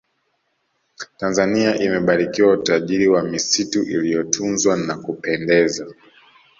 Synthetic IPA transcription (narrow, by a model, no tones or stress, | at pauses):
tanzaniaʔimɛɓaɾikiwautaʄiɾiwamisituʔilijɔtʰunzwanakupɛndɛza